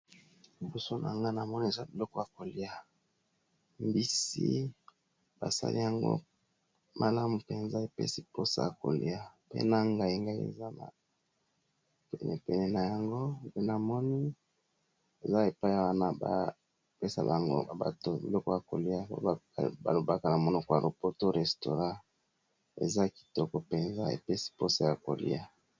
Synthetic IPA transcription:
li˨bɔ˨so˦nʔa̰˨ŋɡa˦na˨mɔ˦ni˦e˨za˦bi˨lɔ˦kɔ˦ja˨ko˨li˨a˨ | mbi˦sḭ˦ | b̥a̰˨sa̰˦lḭ˦ja˨ŋɡo̰˦ | mʔa˨la˦mu˨pe˨nza˦e˨pḛ˦si˦po˦sa̰˨ja˨ko̰˨lḭ˦a˦˨pḛ˦na˨ŋɡa˨i˦ŋɡa˦i˦ḛ˨za˦na̰˨ | pɛ̰˨nɛ˨pɛ˨nɛ˨na˨ja˨ŋɡo˦˨pe˦n˨a˨mɔ˦ni˦ | e˨za˦e˨pa˦i˦ja˨wa˦na˦ba̰˨ | pe˦sa̰˨ba̰˨ŋɡo̰˦˨ba̰˨to˨bi˨lɔ˦kɔ˦ja˨ko˨li˦a˦o̰˦a˦˨ba̰˨lo˨ba˦ka˨na˨mo˨nɔ˦kɔ˦ja˨lo˨po˦to˦ʁɛ˨sto˨ʁã˦ | ḛ˨za˦ki̥˨tɔ˦kɔ˨pe˨nza̰˦ḛ˨pe˦si̥˦po˦sa˨ja˨ko̰˨lḭ˦ja˨

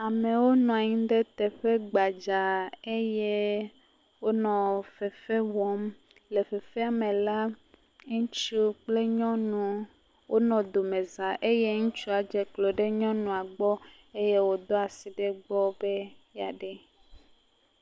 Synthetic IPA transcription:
a˨mẽ˨wo˦nɔ̃˨a˨ɲĩ˦ɖ̪e˦t̪ɛ˨ɸe˦ɡ͡ba˨d͡ʒa˨e˦je˦ | wo˦nɔ̃˨fe˨fe˦wɔ˦m | le˨ɸe˨fɛ˦a˨mẽ˨la˦ | ŋũ˦t͡ʃu˦k͡ple˦ɲɔ̃˦nũ˨ | wʔo˦nɔ̃˨d̪o˨mẽ˨za˨ʔe˦je˦ŋũ˦t͡ʃu˦a˨d͡ʒɛ˨klo˨ɖe˦ɲɔ̃˦nũ˨a˨ɡ͡bɔ˦ | e˦je˦wo˦d̪o˦a˨si˨ɖe˦ɡ͡bɔ˦be˦ja˨ɖɛ˦

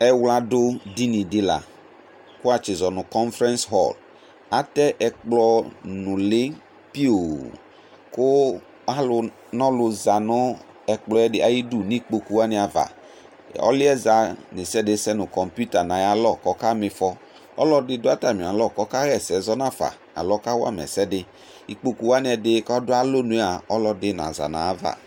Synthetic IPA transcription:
ɛ˦wla˦do˦di˦nĩ˨dɪ˦la̰˨ | kʊ˦a˨t͡ʃɪ˨zɔ˨nʊ̃˨kɔ˦nfɾɛ̃˦nsɦɔ̰˦˨l | a˦t̪ɛ˦ʔɛ˨k͡plɔ˦nʊ̃˨lɪ˦ | pi˦o˨ | kʊ˦ | a˦lʊ˦ | nɔ̃˦lʊ˨za˨nʊ̃˦ | ɛ˨k͡plɔ˦ɛ˦dɪ˨ʔa˨ji˦du˦˨nĩ˦k͡po˦ku˦a˦nɪ̃˨a˨va̰˨ | ɔ̰˦lɪ˦ɛ˦za˨nɪ˨sɛ˦dɪ˨˦sɛ˦nʊ˨kɔ˨mpu˦ta˨nã˨ja˨lɔ˦˨kɔ˨˦ka˦mɪ˨fɔ˦ | ɔ̰˦lɔ˦dɪ˧dʊ˦a˦ta˨mĩ˨a˨lɔ˦˨kɔ˦ka˦ɛ˨sɛ˨˦zɔ˦nã˦˨fa̰˨ | a̰˨lɔ˦ka˦wa̰˦˨m˨ɛ̰˨sɛ˦dɪ˦ | i˦k͡po˦ku˦wa˦nɪ˦ɛ˧˨dɪ˦kɔ˦dʊ˦a˦lo˦nʊ̃˨˦e˦a˨ɔ˦lɔ˧dɪ˦˨na̰˨za̰˨na̰˨a˦va̰˨

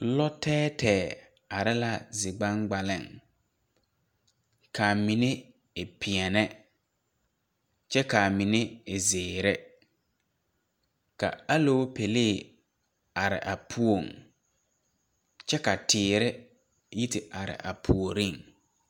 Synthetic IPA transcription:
lɔ˦tɛː˦tɛː˨ | a˨ɾɪ˦la˦zɪ˨ɡ͡ba˦ŋɡ͡ba˨lɪ̰˨ŋ | kʰa˨mi˨ne˦ | ɪ˨pʰɪ˨ɛ˨nɛ˦ | t͡ʃɛ˦ka˨mi˨ne˦ɪ˨zɪː˨ɾɪ˦ | ka̰˨a˦lo˦pe˨le˦˨ | a˨ɾɪ̰˨ʔa˨pʰu˦o˦˨ŋ | t͡ʃɛ˦ka˨tʰɪː˨ɾɪ˦ | ji˦tɪ˨ʔa˨ɾɪ̰˨ʔa̰˨pʰu˨o˨ɾi˦˨ŋ

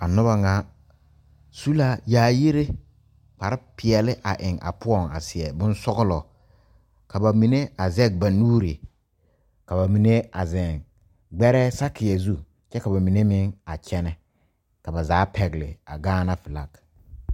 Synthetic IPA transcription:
a˨nʊ˦ba˦ŋa˦ | su˦la˦jaː˦˨ji˦ɾe˦ | k͡pa˨ɾɪ˦pɪ˨ɛ˨lɪ˦ʔa˨ʔɪ˨ŋa̰˨pʊ˦ɔ˦˨ŋa̰˨sɪ˨ɛ˨bʊ˦n˦sɔ˦ɣʊ˦lɔ˨ | ka˨ba˨mi˨ne˦a˨zɛ˦k̚ba˨nuː˦ɾi˨ | ka˨ba˨mi˨ne˦a˨zɛ˨ŋ | ɡ͡bɛ˦ɾɛ˦sa˦kɪ˨ɛ˨zu˦ | t͡ʃɛ˦ka˨ba˨mi˨ne˦mɪ˦ŋa˨t͡ʃɛ˦nɛ˦ | ka˨ba˨zaː˨˦pɛ˨ɡɪ˨lɪ̰˨a˨ɡaː˦na˦fɪ˨la˦k

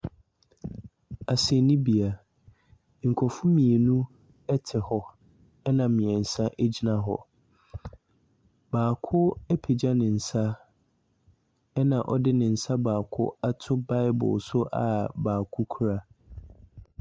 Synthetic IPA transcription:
a˨sɛ˨nĩ˦bi˨a˨ | ŋ̩˨kʰɔ˨fʊ̃˦mĩ˨e˨nũ˦ | ɛ˦tʰɪ˨hɔ˦ | ɛ˦nã˨mɪ̃˨ɛ˨n̩˨sã˦ʔe˦d͡ʑi˦nã˦ɦɔ̰˦ | baː˨kʰʊ˦ɛ˦pʰe˨d͡ʑa˦nɪ̃˨n̩˨sa˦ | ɛ˦nã˨ʔɔ˦dɪ˦nɪ̃˨n̩˨sa˦baː˨kʰʊ̰˦a˦tʰʊ˦ba˦ɪ˦bʊ̰˨sʊ˦ʔa̰˨baː˨kʰʊ˦kʰu˦ɾa˦

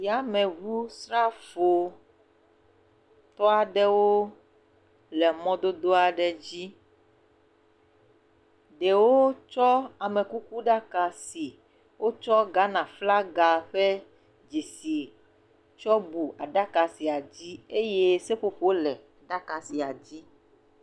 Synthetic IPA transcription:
ja˦mɛ̃˨βu˦sɾa˦fo˨ | t̪ɔ˦a˨ɖɛ˦wo˦ | lɛ˨mɔ̃˦d̪o˦d̪o˦a˨ɖɛ˨d͡ʑi˦ | ɖɛ˨wo˦t͡ʃɔ˦a˨me˨ku˦ku˦ɖa˦ka˨si˨ | wo˦t͡ʃɔ˦ɡa˦nã˨fla˦ɡa˨ɸɛ˦ | d͡ʒi˨si˨ | t͡ʃɔ˦bu˨a̰˨ɖa˦ka˨si˨a˨d͡ʑi˦e˦je˦se˦ɸo˨ɸo˦lɛ˨ɖa˦ka˨si˨a˨d͡ʑi˦

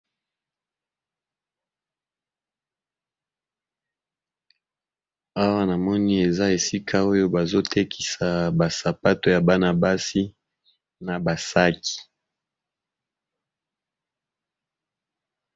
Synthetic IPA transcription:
a˦wa˦na˨mɔ˦ni˦e˨za˦e˨si˦kʰa˦o˦jo˦ba˨zo˦tʰe˦kʰi̥˨sa˨ba˨sa˨pa˦to˨ja˨ba˦na˨ba˦si˦ | na˨ba˨sa˦ki̥˨

